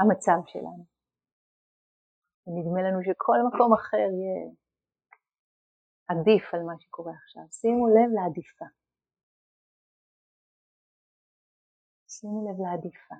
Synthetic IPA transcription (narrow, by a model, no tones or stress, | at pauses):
amat͡savʃḛlʔa̰nu | venidme̞lanuʃ̬ekʰo̞lmako̞maχe̞ʁje | adifalmaʃekʰo̞ʁeaχʃa̰vsinule̞vlead̪ifa | sinule̞vleadifa